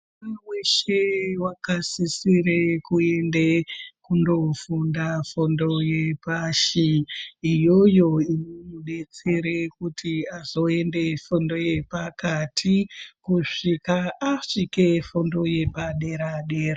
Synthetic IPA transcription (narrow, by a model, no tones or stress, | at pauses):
aweʃewakasisiɾekuendekundo̞fundafondo̞je̞paʃiː | jo̞jo̞inomuɗe̞t͡se̞ɾekutʰiazo̞e̞nde̞fondo̞je̞pakatʰikuʂikaaʂikefondo̞je̞paɗe̞ɾaɗeːra